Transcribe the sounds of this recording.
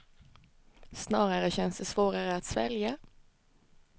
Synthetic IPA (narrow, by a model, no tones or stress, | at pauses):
snɑːʁəʁəçɛnsd̪əsʋoːʁəʁəɑt̪sʋɛ̰ljə